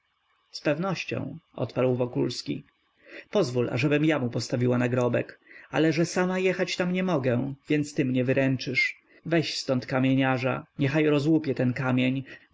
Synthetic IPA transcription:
spɛvnɔɕt͡ɕɔ̰̃w̃ʔɔ̰t̪paɾwvɔkulskʲḭ | pɔzvulʔa̰ʐɛbɘmjamupɔst̪avʲiwanaɡɾɔbɛka̰lɛʐɛsamajɛxat͡ɕt̪amɲɛmɔɡɛvʲjɛnt̪st̪ɘmɲɛvɘɾɛnt͡ʂɘʂ | vɛɕst̪ɔnt̪kamʲjeɲaʐa̰ɲɛxajɾɔzwupʲjɛt̪ɛnkamʲjeɲ

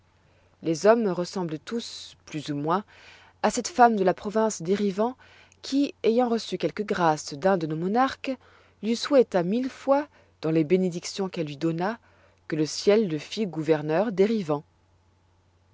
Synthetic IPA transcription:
lezɔmʁəsɑ̃blət̪usplyzumwɛ̃ | asɛt̪famd̪əlapχɔvɛ̃sd̪eʁivɑ̃ | kʲʰiejɑ̃ʁəsykʲɛlkəɡʁasd̪ɛ̃d̪ənomɔnaʁk | lɥiswɛt̪amilfwa | d̪̥ɑ̃lebened̪iksjɔ̃kɛlːɥid̪ɔna | kələsjɛlːəfiɡuvɛʁnœʁd̪eʁivɑ̃

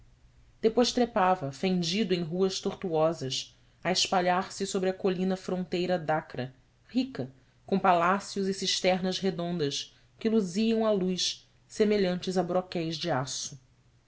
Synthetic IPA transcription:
d̪̥epojʃt̪ɾepavɐfẽnd͡ʒid̪ʊẽj̃ɦuɐʃt̪oχt̪uɔzɐs | ɐɪʃpaʎaɾsɪsobɾɪɐkolĩnɐfɾõnt̪ejɾɐd̪akɾɐ | hikɐ | kõpalasjʊzɪsiʃt̪ɛɾnɐzɦed̪õnd̪ɐs | kɪluziɐ̃w̃alujʃ | semeʎɐ̃nt͡ʃɪzɐbɾɔkɛjzd͡ʒɪasʊ

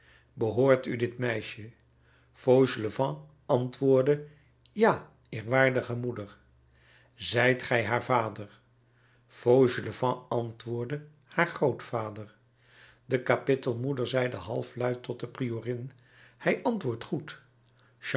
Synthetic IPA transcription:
bəɦoːɹtydɪtmɛjʃə | fowʒləvɑ̃ | ɑntʋʊːɹdə | jaː | ɪːɹʋaːɹdəχəmudəɹ | zɛjtχɛjɦaːɹvaːdəɹ | fowʒləvɑ̃ɑntʋʊːɹdə | haːɹχrowtfaːdəɹ | dəkapɪtəlˠmudəɹzɛjdəɦɑ̰lˠflœɥtɔt̚dəprioːrɪn | hɛjʔɑntʋʊːɹtχut | ʃ

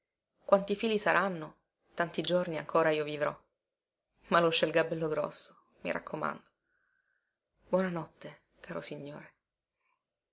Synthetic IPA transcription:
kwant̪ifiːlisaɾʔanːo | t̪ant̪id͡ʒorniaŋkʰoːɾaiːovivɾɔ̰ | malot͡ʃːelɡabɛlːoɡɾɔ̰sːo̥ | mḭɾʔa̰kʰːoma̰nd̪o | b̥wɔnanɔt̪ːe | kʰaːɾosiɲːoːɾe

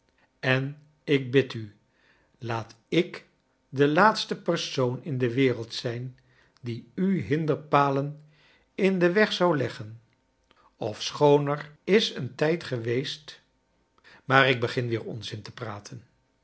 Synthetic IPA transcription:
ɛn | ɪk̚bɪty | laːt | ɪk | dəlaːtstəpəɹsownɪndəʋɪːrəlˠtsɛjn | diyɦɪndəɹpaːlən | ɪndəʋɛχsɑwlɛχən | ɔfsχownəɹɪsəntɛjtχəʋejst | maːrɪɡ̚bəχɪnʋɪːɹɔ̰nzɪntəpraːtʰən

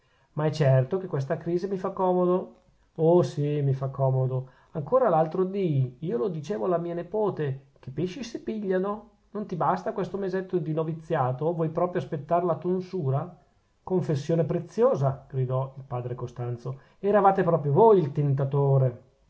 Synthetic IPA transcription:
maɛt͡ʃːɛrt̪okekːwes̬t̪akɾiːzimifakːɔːmod̪o | osimifakʰːɔːmod̪o | aŋkoːɾalalt̪ɾod̪iiːolod̪it͡ʃeːvoalamiːanepoːt̪e | k̟epːeʃisepiʎːano | nont̪ibast̪akwest̪omezet̪ːod̪inovit̪sːjaːt̪ovwɔjpɾɔːpɾjoaspet̪ːaɾelat̪unsuːɾa | koɱfesːjoːnepɾet̪sːjoːzaɡ̥ɾid̪ɔilpaːd̪ɾekost̪ant̪so | ɛɾavaːt̪epɾɔːpɾjovojilt̪ent̪at̪oːɾe

